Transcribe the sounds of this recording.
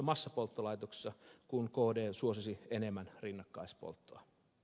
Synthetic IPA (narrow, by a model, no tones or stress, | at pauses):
ɑmɑsːɑpolt̪ːolɑjt̪okse̥sːɑkunkoːdeːsuosisienemːænrinːɑkːɑispo̰lt̪ːoɑ